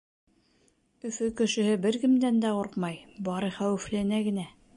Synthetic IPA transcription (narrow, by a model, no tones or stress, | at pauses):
ɵ̆fɵkɵ̆ʃɘ̆hɘbɘɾɡɘ̆md̪ænd̪æoɾqmɑjbɑɾɤχæwɘ̆flænæɡɘ̆næ